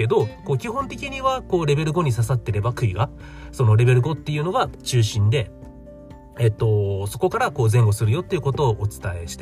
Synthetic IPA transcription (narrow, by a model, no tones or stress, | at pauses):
e̞d̪o̞ko̞ːkʲihõ̞nt̪e̞kʲiɲ̟iβako̞ːɾe̞be̞ɾɯ̟ɡo̞ɲ̟isasat̪ːe̞ɾe̞bakɯ̟iɡa | so̞no̞ɾe̞be̞ɾɯ̟ɡo̞t̪ːe̞jɯ̟no̞ɡat͡ɕɨːɕĩnd̪e̞ | et̪ːo̞so̞ko̞kaɾako̞ːzẽ̞ŋɡo̞sɨɾɯ̟jo̞t̪ːe̞iɯ̟ko̞t̪o̞ːʔːt͡sɨ̥t̪ae̞ɕi̥t̪e